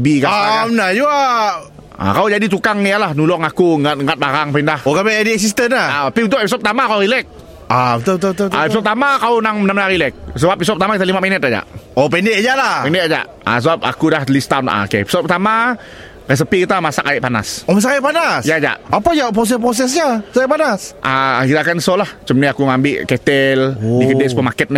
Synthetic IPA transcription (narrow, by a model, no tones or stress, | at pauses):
bikaamənajua | a̰kaud͡ʒadit̪ukaŋjalahnulɔŋakuŋat̪əŋɡat̪̚baɾaŋpindahokabɛɛdiɛs̬is̬t̪ənaaapiunt̪ʊʔepisɔt̚p̚ət̪amakauɣilɛk̚ | aut̪ɔt̪ot̪ta̰episɔp̚t̪amakaunaŋmənamənarilɛk̚s̬əbapːisɔpət̪amakit̪alimaminət̪̚ad͡ʒa̰ʔopɛnɛʔd͡ʒalapɛndɛʔad͡ʒa̰ʔ | a̰s̬əbap̚a̰kudahlist̪anʔa̰kepi̥sɔp̚pət̪ama | res̬əpikit̪amasakajɪʔpana̰somas̬akaiʔpanasjad͡ʒa̰ʔapad͡ʒapɾos̬ɛpɾos̬ɛs̬d͡ʒasaʔpanasʔaiɾakansolaht͡ʃəmniakuŋambɪʔkɛt̪ɛldikədɛspəmakɛt̪̚nɛ